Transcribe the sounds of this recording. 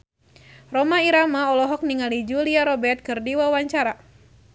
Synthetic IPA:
rɔmaiɾamaɔlɔɦɔk̚niŋalid͡ʒuliaɾɔbɛrt̪̚kɨrdiwawaɲt͡ʃaɾa

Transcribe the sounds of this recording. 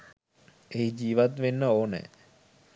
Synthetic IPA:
eɦid͡ʒiːʋat̪ʋenːəoːnɛ̰ː

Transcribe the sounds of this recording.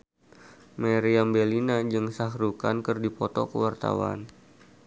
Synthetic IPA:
maɾiambelinad͡ʒɨŋsaɦɾukankɨrdipɔt̪ɔ̰kəwart̪a̰wa̰n

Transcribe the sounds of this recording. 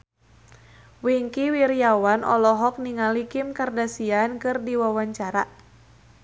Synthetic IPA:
wiŋkiwiɾiawanʔɔ̰lɔɦɔk̚niŋalikɪmkardasiankɨrdiwawaɲt͡ʃaɾa

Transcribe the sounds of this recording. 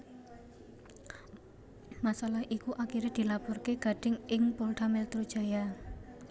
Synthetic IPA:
masalahʔikuʔakiɾed̪̥i̤lapɔrkeɡ̥a̤ɖ̥ɪ̤ŋɪŋpulʈamɛlt̪ɾud̥ʒ̥a̤ja

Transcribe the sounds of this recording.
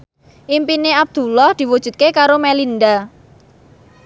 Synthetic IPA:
ʔimpineab̚d̪̥ulɔhd̪̥i̤wud̥ʒ̥ṳt̪̚kekaɾomɛlind̪a

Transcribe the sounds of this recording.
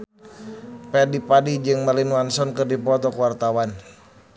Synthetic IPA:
pɛdipadid͡ʒɨŋməlinuwansɔnkɨrdipɔt̪ɔkwart̪awan

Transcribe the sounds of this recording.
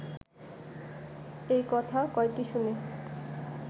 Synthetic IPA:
ejkɔt̪ʰakɔekʈiʃune

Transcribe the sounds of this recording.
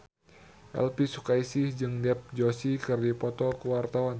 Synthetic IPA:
ʔɛ̰lpisukaisihd͡ʒɨŋdɛp̚d͡ʒosikɨrdipɔt̪ɔkəwart̪awan

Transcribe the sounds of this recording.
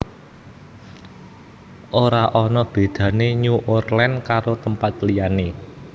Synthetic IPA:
ʔoɾaʔɔnɔb̥e̤d̪̥ä̤neɲuʔorlɛnkaɾot̪əmpat̪lijane

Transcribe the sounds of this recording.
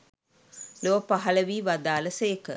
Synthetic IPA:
lopaɦɐləʋiːʋad̪aːləsekə

